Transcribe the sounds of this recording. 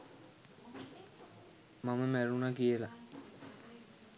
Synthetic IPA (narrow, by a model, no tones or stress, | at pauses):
maməmæɾunakijəla